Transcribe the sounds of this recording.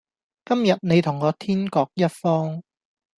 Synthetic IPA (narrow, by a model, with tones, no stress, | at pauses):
kɐ˥mjɐ˨t̚ne˨˧jt̪ʰʊ˨˩ŋːɔː˨˧t̪ʰiː˥nkɔː˧k̚jɐ˥t̚fɔː˥ŋ